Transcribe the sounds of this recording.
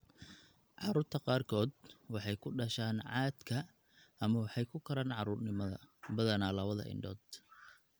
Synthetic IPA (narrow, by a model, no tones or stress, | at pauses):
ʕɑɾuːrt̪ʰɐqɑːrkʰɔːd̪wɑħɑjkʰʊɖɐʃaːnʕɑːd̪̥kʰɐ | ɐmɐwɑħɑjkʰʊkʰɐɾaːnʕɑɾuːrnɪmɐðɐ̰bɐðɐnaːlɐβɐðɐ̰ʔɪ̰ɳɖɔːd̪̥